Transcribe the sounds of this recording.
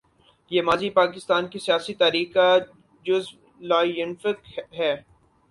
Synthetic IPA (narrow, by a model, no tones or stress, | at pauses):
jeːmaːzipaːkɪst̪aːnkisijaːsit̪aːɾiːka | d͡ʒʊzb | laːjʊnfɪkɦɛː